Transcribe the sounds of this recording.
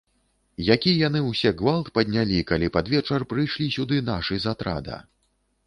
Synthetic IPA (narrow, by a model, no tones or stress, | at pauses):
jakʲijan̪ɨwsʲɛɡvalˠt̪pɐd̪ʲnʲalʲikalʲipad̪vʲɛt͡ʂɐrpɾɨjʂlʲisʲud̪ɨnaʂɨzat̪ɾa̰d̪ɐ̰